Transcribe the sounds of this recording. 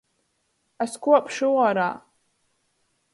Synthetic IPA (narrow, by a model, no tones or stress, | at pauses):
askuɔpʰʂuwaɾaː